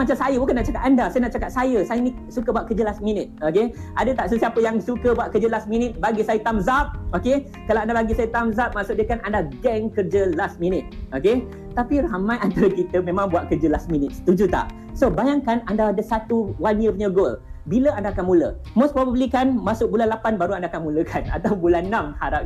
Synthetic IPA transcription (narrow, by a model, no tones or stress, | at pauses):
mat͡ʃamsajəbukanːaʔt͡ʃakat̪andasajənaʔt͡ʃakat̪̚sajəsajənĩ | sukəbuat̪ʔ̚kərd͡ʒəlasminɪt̪̚okeʔadət̪aʔsəsiapəjaŋsukəbuaʔ̪̚kərd͡ʒəlasminɪt̪̚baɡisajət̪amzap̚oke | kalawandabaɡisajət̪amzap̚masʊk̚diəkanʔandaɡɛŋkərd͡ʒəlasminɪt̪̚oke | t̪apiraɦamãjant̪aɾəkit̪əmẽmãŋbuaʔ̪̚kərd͡ʒəlasminɪt̪̚sə̥t̪ud͡ʒut̪a̰ʔ | sobajaŋkanandadəsat̪uwaniəfɲəɡolbiləandaːkanmũlə | mospɾobablikanmasʊk̚bulanlapanbaɾuandaakanmũləkʰana̰t̪awbulanːãmhaɾap̚